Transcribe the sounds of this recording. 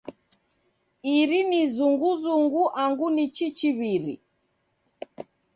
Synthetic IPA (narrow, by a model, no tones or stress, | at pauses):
iɾinizuŋɡuzuŋɡuʔaŋɡunit͡ʃit͡ʃiβiɾḭ